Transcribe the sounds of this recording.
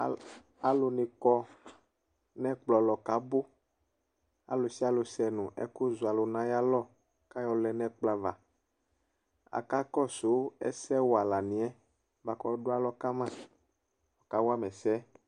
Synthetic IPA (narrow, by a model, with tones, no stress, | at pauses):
a˨lo˨nẽ˨kɔ˦ | nɛ̃˦k͡plɔ˨lɔ˨ka˦bo˦ | a̰˨lo˨si˦a˦lo˨sɛ˨nũ˨ʔɛ̰˦ku˦zu˨a˨lo˨nã˦ja˦lɔ˦˨ | ka˦jɔ˦lɛ˦nɛ̃˦k͡pla˨va˨ | a̰˨ka˦kɔ˦so˨˦ɛ̰˦sɛ˦wo˨a˨la˨nĩ˨ɛ˦ | va˨kɔ˦ɖo˦a˦lɔ˦ka˦mã˦ | ɔ˨ka˨˦wo˦a˦mɛ̃˨sɛ˦